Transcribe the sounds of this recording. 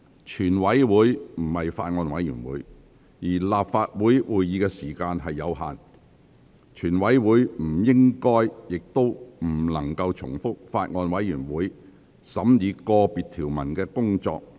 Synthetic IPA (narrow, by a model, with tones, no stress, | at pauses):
t͡ʃʰyː˨˩nwɐ˨˥jwuː˨˥jm̩˨˩hɐ˨jfaː˧t̚ŋɔː˧nwɐ˨˥jy̰ː˨˩nwṵː˨˥j | jiː˨˩laː˨p̚faː˧t̚wuː˨˥jwuː˨jːiː˨˧kɛː˧siː˨˩kaː˧nɦɐ˨jːɐ˨˧wɦa̰ː˨n | t͡ʃʰyː˨˩nwɐ˨˥jwuː˨˥jm̩˨˩jɪ˥ŋkɔː˥jjɪ˨k̚t̪o˥wm̩˨˩lɐ˨˩ŋkɐ˧wt͡sʰʊ̰˨˩ŋfʊ˥k̚faː˧t̚ŋɔː˧nwɐ˨˥jjyː˨˩nwuː˨˥j | sɐ˨˥mjiː˨˧kɔː˧piː˨t̪ʰiː˨˩wmɐ˨˩nkɛː˧kʊ˥ŋt͡ʃɔ̰ː˧k̚